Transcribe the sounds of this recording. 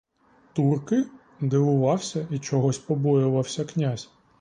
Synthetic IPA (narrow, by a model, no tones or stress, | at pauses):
t̪urkɪ | d̪ɪʋʊʋɑwsʲɐit͡ʃɔɦɔsʲpɔbɔjʊʋɐwsʲɐknʲazʲ